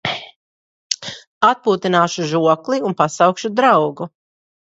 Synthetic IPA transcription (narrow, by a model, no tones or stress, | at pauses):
at̪̚puːt̪inaːʃuʒuɔklˠiunpasawkʃud̪ɾawɡu